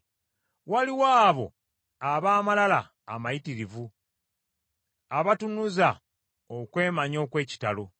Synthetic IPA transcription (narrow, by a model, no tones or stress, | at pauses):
waliwaːβo̞ | aβaːmalalaː | majitiɾivu | aβatunuza | okwe̞ːmaɲo̞ːkwe̞ːci̥talo̞